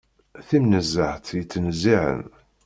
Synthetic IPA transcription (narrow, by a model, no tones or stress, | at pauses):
θimnəzːəħθjət͡sːnziʕə̰n